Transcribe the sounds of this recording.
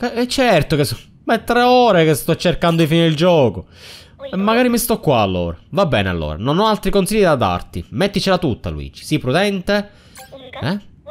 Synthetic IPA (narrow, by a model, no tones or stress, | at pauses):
keɛt͡ʃːɛrt̪okes | maɛt̪ːɾeɔːɾekest̪ɔt͡ʃːerkand̪od̪ifiiild͡ʒɔːko | ɛmːaɡaːɾimist̪ɔkːwaːlːo̰ːɾavabːɛ̰ːnea̰lːo̰ːɾa̰nonɔalt̪ɾikonsiʎːid̪ad̪a̰rt̪imɛt̪ːit͡ʃelat̪ut̪ːa̰lṵḭːd͡ʒi̥sipːɾud̪ɛnt̪e | ɛ